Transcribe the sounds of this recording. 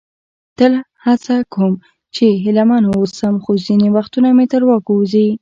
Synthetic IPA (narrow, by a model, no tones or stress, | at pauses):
t̪əla | hat͡sakʰom | t͡ʃeɦɪlamɑnosəmxozinewaxt̪unamet̪əɾwɑkozi